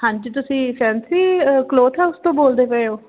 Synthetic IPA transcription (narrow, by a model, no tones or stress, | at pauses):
hãɲt͡ʃt̪̬ʊsĩːpʰɛːnsiːkloːt̪ʰɛːʊst̪õːboːld̪eːpəoː